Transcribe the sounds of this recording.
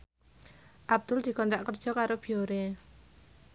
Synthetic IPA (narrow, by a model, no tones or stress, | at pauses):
ʔab̚d̪̥ʊld̪̥i̤kɔnt̪aʔkər̥ʒ̥ɔ̤kaɾob̥i̤oɾe